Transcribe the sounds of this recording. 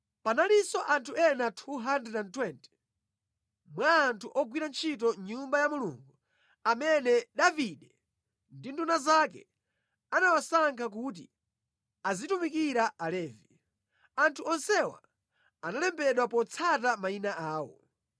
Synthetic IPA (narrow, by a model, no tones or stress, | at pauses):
panalisɔʔantʰuɛnatʰuɦandɛantwɛntɛ̥ | mwaːntʰuʔɔɡwiɾant͡ʃʰit̬ɔɲumbajamulṵːŋɡu | amɛnɛɗaviɗɛ | ndindunazakɛ̰ | anawasaŋkʰak̬uːt̬i | azitumikiɾaʔalɛːvi | antʰuɔnsɛwa̰ | analɛmbɛɗwapɔt͡sʰatamainaʔaːwɔ̰